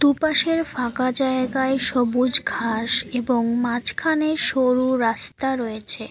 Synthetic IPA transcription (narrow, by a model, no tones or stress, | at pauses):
t̪upaʃeɾfakad͡ʑaeɡaeʃɔbud͡ʑkʰaʃeboŋmat͡ɕkʰaneʃoɾuɾast̪aɾɔet͡ɕʰe